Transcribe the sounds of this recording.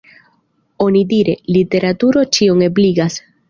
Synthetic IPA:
o̞nidiɾe̞lite̞ɾatuɾo̞t͡ʃio̞ŋe̞bliɡas

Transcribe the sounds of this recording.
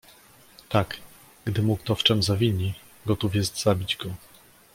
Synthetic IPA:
t̪ak | ɡ̥d̪ɘmukt̪ɔft͡ʂɛmzavʲiɲi | ɡɔt̪ufjɛst̪z̥abʲid͡ʑɡɔ

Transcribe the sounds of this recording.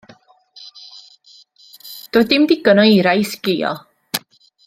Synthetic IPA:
d̥ɔdɪmdɪɡɔnɔiɾajsɡ̥iːɔ̰

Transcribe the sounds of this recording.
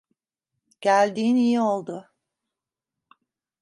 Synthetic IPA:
ɟ̥ælʲd̪iːnijio̞lˠd̪ʊ

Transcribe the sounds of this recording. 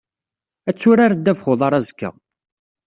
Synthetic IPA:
æt͡sːʊɾaɾd̪ːævχʊðˤɑɾˤɑzəkːæ̰

